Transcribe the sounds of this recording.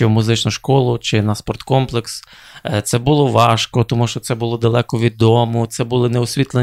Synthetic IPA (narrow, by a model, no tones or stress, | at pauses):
ɪmʊzɪt͡ʃnʊʃkɔlˠʊt͡ʃɪnɐspɔrt̪kɔmplˠeks | t̪sɛbulˠɔʋɑʃkɔt̪ɔmuʃt͡ʃɔt̪sɛbʊlˠɔd̪ɐlˠɛkɔʋʲid̪ːɔmʊt̪sɛbʊlˠɪnɛʊsʲʋʲit̪lˠe